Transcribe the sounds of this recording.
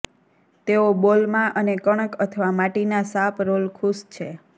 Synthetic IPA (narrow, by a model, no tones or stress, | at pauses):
t̪eobolmãʔənekəɳ̃əkət̪ʰəʋamaʈinasapɾolkʰust͡ʃʰe